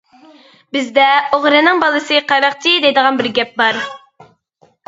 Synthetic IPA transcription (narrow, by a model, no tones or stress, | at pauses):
bɪzd̪ɛoʁɾɨnɨŋbɑlˠɨsɨqʰɑɾɑq̚t͡ʃʰid̪ɛjd̪əʁɑnbɪɾɡʲɛp̚bɑɾ